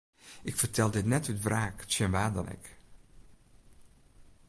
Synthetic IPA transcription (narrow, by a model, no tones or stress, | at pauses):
ʔɪkfərtɛlˠdɪtnɛtytvraːktsənʋaːdənɪ̰k